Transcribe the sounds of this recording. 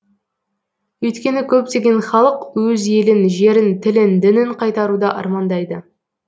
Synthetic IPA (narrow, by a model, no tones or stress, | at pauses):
ɵjt̪kʲe̞nɪkʲʰɵp̚t̪e̞ɡʲe̞nχɑlˠəqwɵze̞lɪnʒe̞ɾɪnt̪ʰɪlɪnd̪ɪnɪɴqʰɑjt̪ɑɾud̪ɑʔɑ̰ɾmɑnd̪ɑjd̪ə